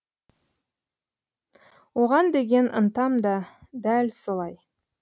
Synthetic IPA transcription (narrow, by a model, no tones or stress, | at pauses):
woʁɑnd̪e̞ɡʲe̞nʔə̰nt̪ɑmd̪ɑd̪ælsolˠɑj